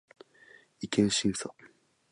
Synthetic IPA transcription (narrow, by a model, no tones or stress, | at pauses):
ikẽɰ̃ɕĩɰso